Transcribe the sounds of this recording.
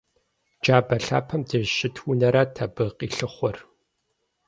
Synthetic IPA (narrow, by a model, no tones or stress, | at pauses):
d͡ʒaːbɐɬa̰ːpʰɐmdɨɕɪtʰwʊnɐɾɐtʰɐbɨqiːɬɨχʷɔr